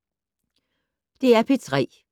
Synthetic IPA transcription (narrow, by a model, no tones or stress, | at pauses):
d̥e̝æɐpʰe̝t͡sʰʁɛ̰ː